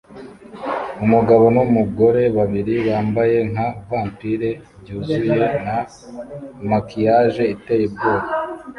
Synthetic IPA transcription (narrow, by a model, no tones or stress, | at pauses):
umuɡaβonumuɡo̞ɾe̞βaβiɾiwaːmbaje̞ŋavaːmpiɾe̞ | bɟuːzuje̞na | makijaːʒe̞ite̞jeb̚ɡoːka